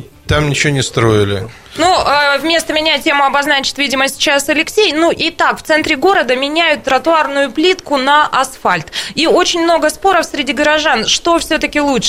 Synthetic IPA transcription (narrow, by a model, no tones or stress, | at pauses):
t̪amnʲɪt͡ɕɪvonʲɪst̪ɾo̞ɪlʲɪ̰ | nuəvmʲe̞st̪əmʲɪnʲatʲe̞mʊɐbɐznat͡ɕɪ̥t̪vʲidʲɪməsʲt͡ɕasɐlʲɪksʲejnuʔit̪akft̪sɛnt̪ɾʲɪɡo̞ɾəd̪əmʲɪnʲæjʊt̪ːɾət̪ʊarnʊjʊplʲit̪kʊnɐʔɐsfalʲt̪io̞t͡ɕɪnʲmno̞ɡəspo̞ɾəfsɾʲɪdʲiɡəɾɐʐanʂt̪o̞fsʲɵt̪əkʲɪlˠutʂ